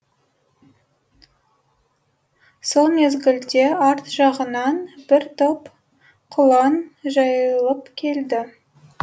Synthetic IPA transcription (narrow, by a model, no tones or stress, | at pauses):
so̞lˠme̞zɡʲɪld̪e̞ɑɾt̪ʒ̥ɑʁənɑnb̥ɪɾt̪op | qʰʊlˠɑnʒɑjəlˠəpkʲʰe̞ld̪ɪ